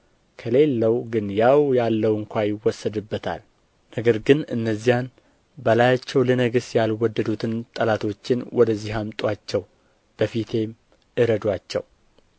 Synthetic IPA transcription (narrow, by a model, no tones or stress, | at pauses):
kʰəle̞lːəwɡɨnjawjalːəwɨŋkʷajɪwːɔsːəd̪ɨbːət̪ʰa̰l | nəɡəɾɡɨnɨnːəzːijan | bəlajat͡ʃːɛwlənəɡɨsjalwɔd̪ːəd̪ut̪ʰɨnt̪ʼəlat̪ʰo̞t͡ʃːɪnwɔd̪əzːiɦamt̪ʼwat͡ʃːɛw | b̥əfit̪ʰe̞m | ʔɨɾəd̪wat͡ʃːɛ̰w